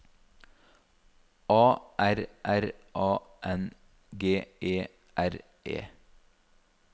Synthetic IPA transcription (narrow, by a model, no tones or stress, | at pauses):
ʔɑːʔæɾʔæɾʔɑːʔɛn | ɡeːʔeː | ʔæɾ | ʔḛː